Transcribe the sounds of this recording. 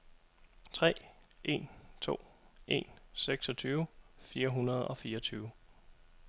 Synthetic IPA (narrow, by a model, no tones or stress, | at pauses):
t͡sʰʁɛ̰ːʔe̝nt͡sʰo̝̰ːʔe̝̰nseɡ̥sɒ̽t͡sʰyːʊfiːɐɦunɐð̞̩ˠɒ̽fiːɐt͡sʰyːʊ